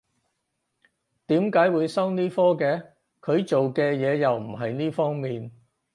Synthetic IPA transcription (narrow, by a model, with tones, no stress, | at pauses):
t̪iː˨˥mkaː˨˥jwuː˨˧jsɐ˥wniː˥fɔː˥kɛː˧ | kʰɵ˨˧ɥt͡ʃo˨wkɛː˧jɛː˨˧jɐ˨wm̩˨˩ɦɐ˨jniː˥fɔː˥ŋmiː˨n